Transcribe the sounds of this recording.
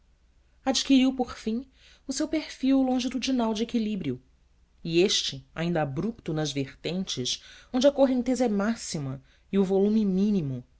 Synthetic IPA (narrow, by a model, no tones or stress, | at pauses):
ad͡ʒikiɾiwpoχfĩ | ʊsewpeɾfiwlõʒɪd̪ʊd͡ʒinawd͡ʒɪekilibɾiʊ | ieʃt͡ʃɪa̰ĩnd̪ɐabɾupt̪ʊnɐzveχt̪ẽnt͡ʃɪʃõnd͡ʒɪɐkoɦẽnt̪ezɐɛmasimɐ | iʊvolũmɪmĩnimʊ